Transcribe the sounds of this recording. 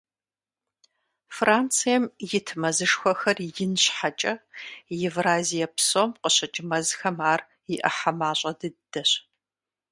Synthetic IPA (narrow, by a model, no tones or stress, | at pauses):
fraːnt͡sʰijɛmjɪtʰmɐzɨʂxʷɔxɐrjɪnɕħat͡ʃʼɐjɛvraːzijɐpsomqəɕɐt͡ʃʼɪmɐzxɐmaːr | jɪʔɐ̰ħamaːɕʼɐdɨd̥ɐɕ